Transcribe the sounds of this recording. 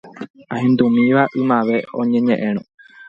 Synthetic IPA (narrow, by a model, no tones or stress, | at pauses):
ahẽnd̪umĩʋaʔɨmãʋe̞õ̰ɲẽɲẽʔẽñũ